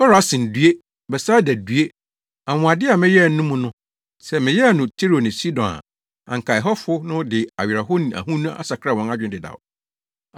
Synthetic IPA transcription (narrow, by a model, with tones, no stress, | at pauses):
fɛ˦ɾa˨˦sɪ̃˨n˨dɥe˦ | bɛ˨saː˦dæ˨dɥe˦ | ã˨mʊ̃˨a˨dɪ˦a˨mɪ̃˦jɛ˦˨n˦nʊ̃˦mũ˦nʊ̃˦ | sɛ˦mɪ̃˨jɛ˦˨nʊ̃˨tʰe˦ɾo˨nɪ̃˨si˦dɔ̃˨na̰˨ | ã̰˨ŋ˨kʰa˨ɪ˨ɦɔ˦fʊ˦nʊ̃˦dɪ˨a˨ɥɪ˨ɾa˨ɦʊ˦nĩ˨a̰˨ɦũ˦nũ˦a̰˦sa˨kʰɾa˦˨wɔ̃˦na˦d͡ʑᶣɪ̃˦dɪ˨da̰˨w